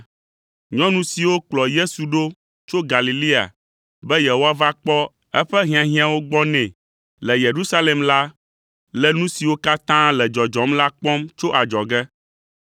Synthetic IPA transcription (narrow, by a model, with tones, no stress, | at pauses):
ɲɔ̃˦nũ˦si˨wo˦k͡plɔ˨je˦su˨ɖo˦ | t͡ʃo˦ɡa˨li˨li˦a̰˨ | bɛ˦je˨ɦo˦a˦va˦k͡pɔ˦ | ɛ˦ɸɛ˦ɦĩ˦ã˨ɦĩ˦ã˨wo˦ɡ͡bɔ˦nɛ̃˨ | lɛ˨je˨ɾu˦sa˦le˨mla˦ | lɛ˨nũ˦si˨wo˦ka˦t̪ã˦lɛ˨d͡ʒɔ˨d͡ʒɔ˨˦mla˦k͡pɔ̃˦mt͡ʃo˦ʔa˨d͡ʒɔ˨ɡɛ˦